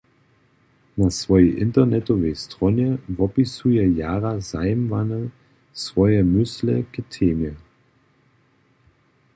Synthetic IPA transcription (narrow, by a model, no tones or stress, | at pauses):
nasvɔjɛʔɪntɐnɛtɔvɛjstʁɔnjɛvɔpisujɛjaːʁazajmvanə | svɔjɛmʏsləkətʰeːmjɛ